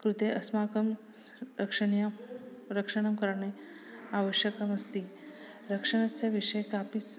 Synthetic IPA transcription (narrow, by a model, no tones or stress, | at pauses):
kɾut̪eʔɐsmaːkɐm | ɐkʂɐɳjɐ | ɾɐkʂɐɳɐmkɐɾɐɳe | aːʋəʃjɐkɐmɐst̪i | ɾɐkʂɐɳɐsjɐʋiʃɐjkaːpis